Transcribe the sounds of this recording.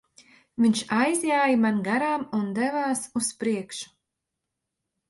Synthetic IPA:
viɲʃajzjaːjimanɡaɾaːmund̪ɛvaːsuspɾiɛkʃu̥

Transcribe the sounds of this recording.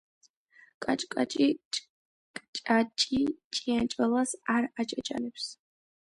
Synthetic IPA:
kʼat͡ʃʼkʼat͡ʃʼit͡ʃʼ | kʼt͡ʃʼat͡ʃʼit͡ʃʼijant͡ʃʼalasarat͡ʃʼat͡ʃʼa̰nɛpʰs

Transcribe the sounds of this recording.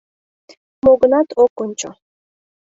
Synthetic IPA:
moɡɤnɑt̪ʰokonʲt͡ɕo̰

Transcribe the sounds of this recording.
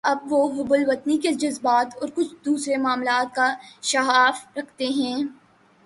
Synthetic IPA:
ɐb̚ʋoɦʊbʊlʋɐt̪niked͡ʒɐzbaːt̪ɔːɾkʊt͡ʃʰd̪uːsɾemaːmlaːt̪̚kaʃɐɦaːfɾɐkʰt̪eɦɛ̃ː

